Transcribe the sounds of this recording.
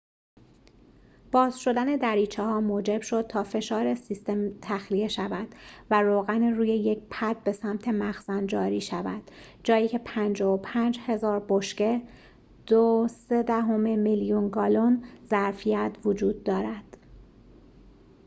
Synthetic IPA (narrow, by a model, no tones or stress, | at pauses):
b̥ɒːzʃo̞d̪æne̞d̪æɾiːt͡ʃʰehɒːmoːd͡ʒe̞bʃo̞d̪̥̚t̪ʰɒːfe̞ʃɒːɾe̞sist̪e̞mt̪ʰæxlije̞ʃævæd̪̥væɾoːɣæniruːje̞jec̚pʰæd̪̚be̞sæmt̪ʰe̞mæxz̥ænd͡ʒɒːɾiːʃævæ̰d̪̥d͡ʒɒːjiːcʰe̞pʰænd͡ʒɒːopʰænd͡ʒhe̞zɒːɾboʃce̞ | d̪̥osed̪æɦomemiljunɡɒːlonzæɾfijæt̪ʰvod͡ʒuːd̪̚ːɒːɾæd̪̥